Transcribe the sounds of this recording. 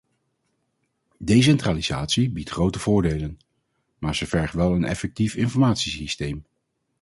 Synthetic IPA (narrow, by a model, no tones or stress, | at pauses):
dejs̬ɛntraːliza̰ːtsibitχrowtəv̥ʊːɹdejlən | maːɹzəvɛɹχʋɛlˠənɛ̰fɛk̚tifɪnfɔɹmaːtsisistejm